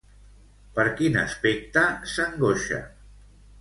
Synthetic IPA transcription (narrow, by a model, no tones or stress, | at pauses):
pəɾkinə̰spek̚t̪əsəŋɡoʃə̰